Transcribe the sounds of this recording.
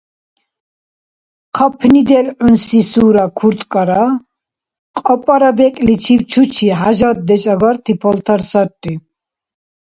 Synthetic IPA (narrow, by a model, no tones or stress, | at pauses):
qʰapʰnid̪ɛlʕunsisuːɾakʰuɾt̪ʼkʼaɾa | qʼɔpʼaɾabɛkʼlit͡ʃʰiwt͡ʃʰut͡ʃʰiɦaʒad̪̚d̪ɛt͡ʃʼaɡaɾt̪ʰipʰɔlt̪ʰaɾsat̪ʼːi